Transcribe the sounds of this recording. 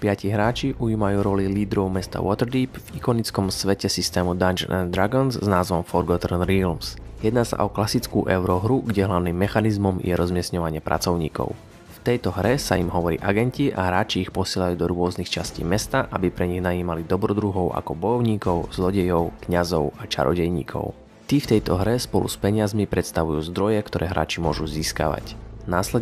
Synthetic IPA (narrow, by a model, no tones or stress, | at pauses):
pɪaciɦɾaːt͡ʃiʔuiːmajuːɾɔliliːd̪ɾɔʊmɛst̪a̰wɔt̪ɛɾd̪iːpvikɔnit͡skɔmsʋɛcɛsist̪ɛːmud̪and͡ʒnɛ̰nd̪ɾaɡɔnzznaːzʋɔmfɔɾɡɔt̪ɛɾnɾilmsjɛd̪naːsa̰ʔɔklasit͡skuːʔɛʊɾɔɦɾuɡɟɛɦlaʊniːmːɛxanizmɔmjʔɛɾɔzmɪɛsɲɔʋaɲɪɛpɾʔa̰t͡sɔʊɲḭːkɔ̰ʊ | ft̪ɛjt̪ɔɦɾɛsa̰imɦɔʋɔɾḭːʔaɡɛnciʔa̰ɦɾaːt͡ʃiːxpɔsɪɛlajuːd̪ɔɾʊɔznixt͡ʃascḭːmɛst̪aʔabipɾɛɲiɣnajiːmalid̪ɔbɾɔd̪ɾuɦɔʊʔa̰kɔbɔjɔʊɲiːkɔʊz̥lɔɟɛjɔʊkɲazɔʊat͡ʃa̰ɾɔ̰ɟɛjɲḭːkʰɔ̰ʊ | t̪iːft̪ɛjt̪ɔɦɾɛspɔlṵspɛɲɪazmipɾɛt̪st̪aʋujuːzd̪ɾɔjɛkt̪ɔɾɛːɦɾa̰ːt͡ʃimʊɔʒuziːska̰ʋa̰cnaːslɛ